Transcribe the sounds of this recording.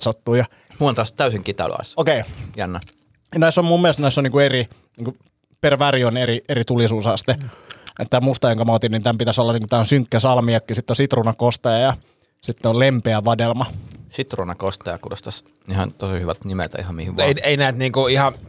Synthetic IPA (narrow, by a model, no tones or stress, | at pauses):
sot̪ːuːjɑ | muont̪ɑst̪æysiŋkit̪ɑ̰l̰ɑ̰ˑisokeijænːɑ | jnæisːommumːilest̪næisːoniːkueri | niːŋku | perʋærionerierit̪ulisuːsɑst̪eḛt̪t̪ːæːmust̪ɑjoŋkɑmæot̪inniːnt̪æmpit̪æsolːɑniːkut̪æːonsyŋkːæsɑlmiɑkːiːsit̪ːeosit̪runɑkost̪ɑjɑjɑ | sit̪ːeollempeæʋɑdelmɑsit̪runɑkost̪ɑjɑkudost̪ɑs | nihɑnt̪osihyʋæ̰t̪nimḛlt̪ɑ̰ihɑmmihiʋʋeieinæːt̪niːŋkuihɑ